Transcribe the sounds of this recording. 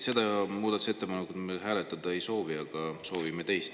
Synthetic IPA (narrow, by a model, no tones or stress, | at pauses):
se̞d̪ɑmuːd̪ɑt̪use̞t̪ːepɑnːekːud̪meɦæːlet̪ːˑɑd̪̥ɑejso̞ːviɑɡ̥ɑso̞ːvimet̪e̞jst̪